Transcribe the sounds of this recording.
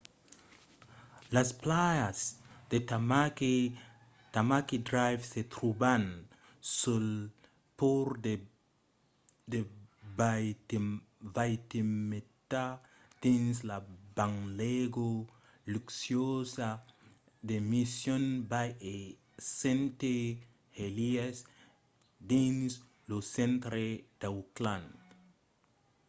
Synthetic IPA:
lasplajasd̪̥et̪amake | t̪amakid̪ɾajvset̪ɾuban | sul | poɾd̪e | d̪eba | vajt̪imet̪a | d̪̥inslabaŋleɡo | luksjosa | d̪emisjõnbaje | sẽnt̪e | helias | d̪ins | losẽnt̪ɾed̪̥awklãn

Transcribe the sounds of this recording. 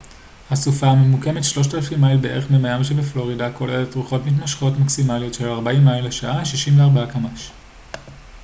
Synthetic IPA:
hasufaːmemuke̞metʃlo̞ʃtalafimːajilbeʔe̞ʁeχmemajamʃ̬ebeflo̞ʁidako̞leletʁuχo̞tmit̬maʃχo̞tmaksimalijo̞tʃelaʁbaimːaileʃaʔaʃiʃimveaʁbaakamaʃ

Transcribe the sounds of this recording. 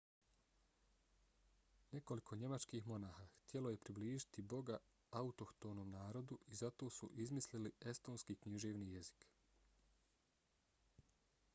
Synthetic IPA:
ne̞ko̞likʰo̞ɲe̞mat͡ʃkixmo̞naːxaːxt̪je̞lo̞je̞pɾibliːʒit̪ibo̞ɡa | aut̪o̞kt̪oːnoːmnaːɾo̞d̪uʔizat̪o̞ːsuʔizmislilie̞st̪o̞ːnskiːkɲiʒeːʋnije̞zi̥k

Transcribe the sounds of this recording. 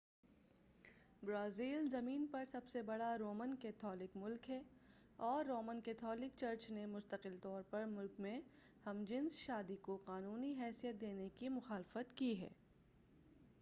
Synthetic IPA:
bɾaːziːlzɐmiːnpɐɾsɐbsebɐɽaɾoːmənkɛːt̪ʰɔːlɪkmʊlkɦɛː | ɔːɾːoːmənkɛːt̪ʰɔːlɪk̚t͡ʃɐɾt͡ʃnemʊst̪əqɪlt̪ɔːɾpɐɾmʊlkmẽ | hɐmd͡ʒɪnsʃaːd̪ikoqaːnuːniɦɛːsijət̪̚d̪eːnekimʊxaːlɪfət̪kiɦɛ̰ː

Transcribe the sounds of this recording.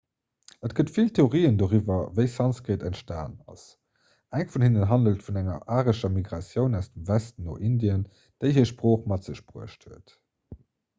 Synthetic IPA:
ətɡ̥ətfiltʰeoʁiːəndoːʁivɐvəɪsɑnsɡʁeːtæntʃta̰ːnɑ̰s | ʔæŋfunhinənɦɑndəltfunæŋɐ̰ʔaːʁəʃɐmiɡʁɑsjəʊnæʊsd̥əmvæstn̩o̰ːʔindiən | d̥eɪɦiːɐʃpʁoːχmɑtz̥əɕb̥ʁuəʃthuət

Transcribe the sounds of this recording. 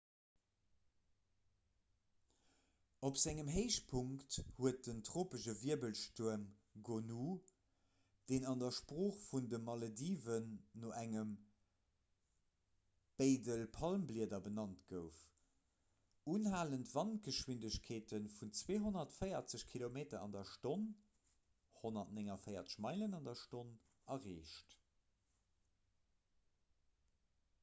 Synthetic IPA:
opz̥æŋəmɦeɪʃ̚pʰuŋkkthuət̚dəntʁoːpəʃəviəbəlʃtuɐm | ɡonu | d̥eːnɑndɐʃpʁoːχfundəmɑlodiːvənːoʔæŋəm | b̥eɪdəlpʰɑlmbliədɐbənɑntɡəʊf | unɦaːləntv̥ɑntɡ̥əʃwindəɕkʰeːtənfunt͡sweːɦonɐtfəɪɐt͡səɕkʰilomeːtɐɑ̰ndɐʃton | honɐtneŋɐfɜɪɐt͡sə̥ɕmɑɪlənɑndɐʃton | ɐʁeːʃt

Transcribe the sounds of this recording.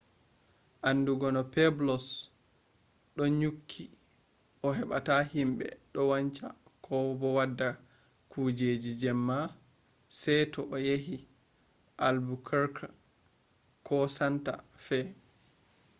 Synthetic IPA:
ʔanːduɡɔnɔpɛblɔs | ɗɔɲukʰːi | ʔɔɦɛɓa̰tahimɓɛ̰ɗɔwaɲt͡ʃakʰɔbɔwadːa | kʰud͡ʒed͡ʒid͡ʒɛmːa | sɛjtɔʔɔjeɦi | ʔalbukʰaɾkʰa | kɔsanta̰fɛ

